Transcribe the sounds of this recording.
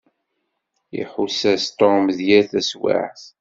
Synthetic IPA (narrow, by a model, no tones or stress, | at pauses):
jḭħusæst̪ˤɔmðjæθæswa̰ħθ